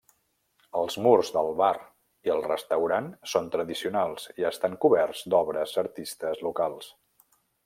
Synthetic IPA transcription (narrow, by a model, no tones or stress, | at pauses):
əlˠzmurzd̪əlˠβar | iəlˠrəst̪əwɾansont̪ɾəðisiunalˠsiəst̪aŋkuβɛrzd̪ɔβɾəzəɾt̪ist̪əzlukalˠs